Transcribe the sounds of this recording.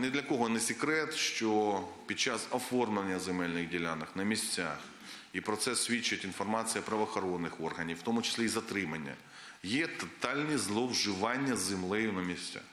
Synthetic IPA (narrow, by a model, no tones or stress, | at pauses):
nɛd̪lʲɐkɔɦɔnesʲikɾɛt̪ʃt͡ʃɔpʲid̥̪̚t͡ʃasɔfɔrmlˠenʲːɐzemɛlʲnɪɣdʲilʲanɐxnɐmʲisʲt͡sʲa̰x | ipɾɔt̪sɛsʲʋʲit͡ʃːɐtʲinfɔrmɑt͡sʲijɐpɾɐʋɐxɔɾɔnːɪxɔrɦɐnʲiwwt̪ɔmʊt͡ʃɪ̥sʲlʲiizɐt̪ɾɪmɐnʲːɐ̰ | jɛt̪ɐt̪ɑlʲnʲizlˠɔwʒɪʋɑnʲːɐzɪmlˠɛjʊnɐmʲisʲt͡sʲa̰x